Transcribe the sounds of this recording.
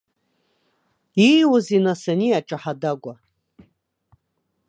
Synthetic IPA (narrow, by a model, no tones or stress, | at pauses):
iwʊzinasaniaʈ͡ʂʼaħadaɡʷa